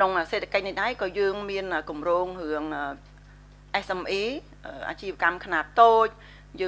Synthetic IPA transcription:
kʰnoŋəːseːt̪ʰːḁkəc̚niɗaɛkɑːjəːŋmiənəːkumroːŋrɨəŋəː | ʔɛsʔɛmʔiː | ʔəːʔa̰ːt͡ɕiːʋəkamkʰnaːp̚t̪oːc̚ | jəː

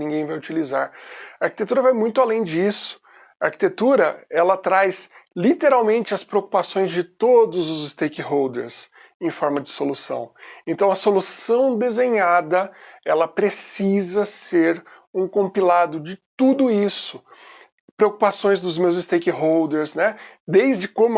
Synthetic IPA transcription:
nĩŋɡẽj̃vajʊt͡ʃilizaɾɐaɾkit̪et̪uɾɐvajmũj̃t̪ʊalẽj̃d͡ʒisʊ̥ | ɐaɾki̥t̪et̪uɾɐɛlɐt̪ɾajslit̪eɾawmẽnt͡ʃɪɐspɾeoku̥pasõj̃zd͡ʒɪt̪od̪ʊzʊzɪst̪ejkɪɦowd̪ḛɾs | ẽj̃fɔɾmɐd͡ʒɪsolusɐ̰̃w̃ẽnt̪ɐ̃w̃ɐsolusɐ̃w̃d̪ezẽɲad̪ɐɛlɐpɾesizɐseɾ | ũkõmpilad̪ʊd͡ʒɪt̪ud̪ʊisʊ | pɾeokupasõj̃zd̪ʊzmewzɪst̪ejkɪɦowd̪eɾsnɛd̪ejzd͡ʒɪkõmʊ

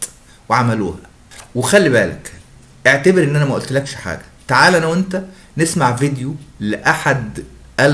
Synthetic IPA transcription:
weʕamæluːhæ | wexælːiβæːlæ̰k | ʔeʕt̪æbeɾʔenːʔænæmæʔolt̪lækʃħa̰ːɡæ̥t̪aʕaːlʔænæwʔent̪æ | nesmaʕvid̪juleʔaħad̪ | ʔæl

